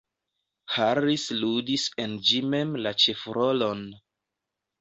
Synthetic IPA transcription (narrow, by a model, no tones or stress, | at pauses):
haɾisludisend͡ʒime̞mlat͡ʃefɾolon